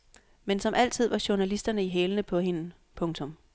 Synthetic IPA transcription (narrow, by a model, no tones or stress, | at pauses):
mensɒ̽mʔæl̰t͡sʰið̞̰ˠʋɑ̈ɕuɐnælisd̥ɐnəiɦeːlənəpʰɒ̽ɦe̝nə | pʰɔ̽ŋt͡sʰɔ̽m